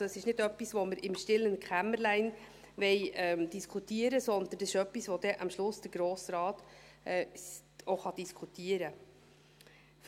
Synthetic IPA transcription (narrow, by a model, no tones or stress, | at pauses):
əsɪʃnɪdœpːisʋoməɾɪmʃtɪlːənkχæməɾlæɪn | ʋɛɪɛd̥̪iskʰutiəɾəsɔnd̪əndɑsɪʃœpːisʋod̥ɛʔɑmʃlʊsd̥əɾɡ̥ɾoːsɾɑːt̪ɛ | oχɑd̥̪iskʰut̪iəɾə